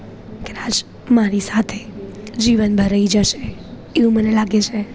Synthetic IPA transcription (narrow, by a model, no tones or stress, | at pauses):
keɾad͡ʒ | maɾisat̪ʰed͡ʒiʋənbʱəɾaid͡ʒəʃe | eũmənelaɡet͡ʃʰe